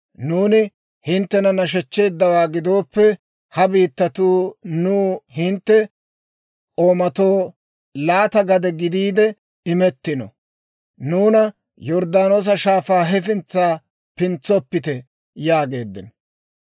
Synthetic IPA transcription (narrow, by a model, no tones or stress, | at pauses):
nuːnɪ | hɪnt̪ːɛnɐnɐʃ̬ɛt͡ʃːe̞ːd̪ːɐwaːɡɪd̪o̞ːpːɛ | hɐbiːt̪ːɐt̪uːnuːhɪnt̪ːɛ | ʔʼo̞ːmɐt̪o̞ː | laːt̪ɐɡɐd̪ɛɡɪd̪iːd̪ɛ | ɪmɛt̪ːɪnɔ̰ | nuːnɐ | jɔɾd̪aːno̞ːs̬ɐʃaːfaːɦɛfɪnt͡sːaː | pɪnt͡sːɔpːɪt̪ɛ | jaːɡe̞ːd̪ːɪn